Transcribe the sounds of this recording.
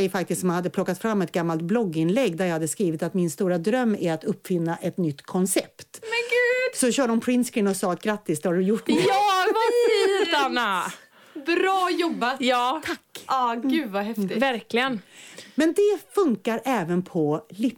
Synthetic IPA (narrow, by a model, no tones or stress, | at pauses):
ɛjfakt̪ɪst̪sɔmhanhad̪ːəpʰlɔkːat̪fɾamːɛt̪̚ɡamːalt̪̚blɔɡːɪnlɛɡːd̪æɾjɑːhad̪ːəskɾiːvɪt̪at̪mɪnst̪uːɾad̪ɾœmːæɾat̪ɵpːfɪnːaʔɛt̪nʏt̪ːkʰɔnsɛpt̪mɛɡʉːd̪sɔɕœːɖəʊmpʰɾɪnt̪skɾɪnɔsɑːat̪̚ɡɾat̪ːɪsd̪ɛhaɖɵjʊʈːnɵɑːv | anːa | bɾɑːjɔbːajɑːt̪ʰakːɑːɡʉ̟ːd̪vaɦɛft̪ɪvæɾklɪɡənmɛnd̪ɛfɵŋkaɾɛːvənpʰɔlɪ